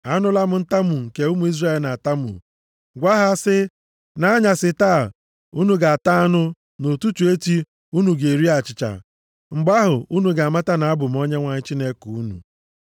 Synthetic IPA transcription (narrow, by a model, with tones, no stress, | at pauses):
a˦nʊ˦la˦mʊ˨n̩˦ta˦mu˨ŋ̩˨ke˨˦u˦mu˨˦i˦zra˦e˨lna˨ta˦mṵ˨ | ɡʷa˦ɦa˨a˦˨sɪ˦ | na˦ɲa˨sɪ˨taː˦˨ | u˦nu˨ɡa˨a˨ta˦a˦nʊ˦ | no˨tu˦t͡ʃu˨e˦ti˦ | u˦nu˨ɡe˨ɾi˦a˨t͡ʃɪ˨t͡ʃa̰˨ | ŋ͡m̩˨ɡ͡ba˦ɦʊ˨u˦nu˨ɡa˨a˨ma˦ta˦na˨a˦bʊ˨m̩˨˦o˦ɲe˦ŋʷa˨ɲɪ˦t͡ʃi˦ne˦ku˨u˦nṵ˨